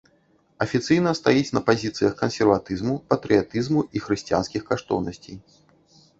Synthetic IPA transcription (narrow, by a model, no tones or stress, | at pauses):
ɐfʲit̪sɨjnɐst̪ajit͡sʲnɐpazʲit̪sɨjɐxkɐnsʲɛrvat̪ɨzmupɐt̪ɾɨjat̪ɨzmuʔixɾɨsʲt͡sʲija̰nskʲixkaʂt̪ɔ̰wnɐsʲt͡sʲej